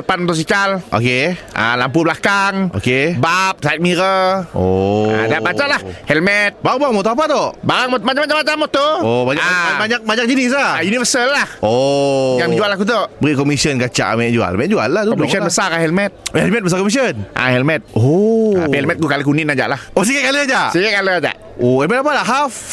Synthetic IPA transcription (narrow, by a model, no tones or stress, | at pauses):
əpanmot̪ɔs̬it͡ʃalʔo̰keʔa̰lampubəlakaŋo̰kebap̚sat̪̚miɾəoa̰daʔpat͡ʃaʔlahhɛlmɛt̪̚baɣubaɣaŋmɔt̪ɔap̬at̪oʔbaɾaŋmtmat͡ʃamat͡ʃamat͡ʃamːot̪ɔobaɲakbaɲak̚baɲak̚d͡ʒinis̬aajunivəsəlːahʔojaŋdid͡ʒualak̬ut̪̬oʔbəɾiʔkɔmisiənkat͡ʃa̰ʔmɛt̪̚d͡ʒua̰ɛ̰lmɛt̪̚d͡ʒua̰llat̪ukɔmissənbəsakaɦɛlmɛt̪̚hɛlmɛt̪̚bəs̬akɔmis̬iənʔa̰hɛlmɛt̪̚ohɛlmɛt̪̚kukaləkuninad͡ʒa̰ʔlahos̬ikakaləad͡ʒaʔsəjəʔkaləad͡ʒa̰ʔ | ohɛlmɛt̪̚ap̬adaʔɦaf